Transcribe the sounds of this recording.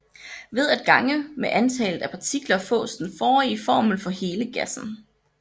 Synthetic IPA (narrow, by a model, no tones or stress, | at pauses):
ʋe̝ð̞ˠæd̥̚ɡ̥ɑ̈ŋəmeʔænt͡sʰɛ̰ːlð̩ˠæpʰɑ̈t͡sʰiɡ̥lɐfɔ̰̽ːsd̥n̩fɒːifɒ̰ːml̩fɒ̽he̝ːləɡ̥æsn̩